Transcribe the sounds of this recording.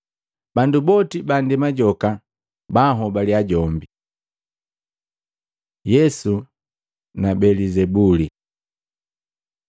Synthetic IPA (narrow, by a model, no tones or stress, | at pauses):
bandubɔtibandɛmaɟɔka | baɦɔbaliaɟɔmbi | jɛsu | nabɛlizɛbuli